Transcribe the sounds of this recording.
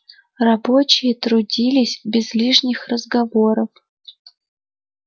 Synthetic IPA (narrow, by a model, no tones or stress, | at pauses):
rɐbo̞t͡ɕɪjət̪ɾʊdʲilʲɪsʲbʲɪzlʲiʂnʲɪxrəzɡɐvo̞ɾəf